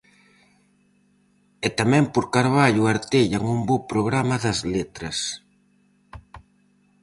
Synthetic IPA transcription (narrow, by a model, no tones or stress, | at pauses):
ɛt̪amɛ̃mpoɾkaɾβaʎuaɾt̪eʎaŋumbopɾoɣɾamɐðɐzlet̪ɾɐs